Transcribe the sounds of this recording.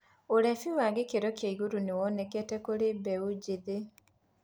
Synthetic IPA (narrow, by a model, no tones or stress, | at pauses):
oɾɛfiwaŋɡekeɾɔkjaiɣoɾunewɔnɛkɛtɛkoɾebɛud͡ʑeðe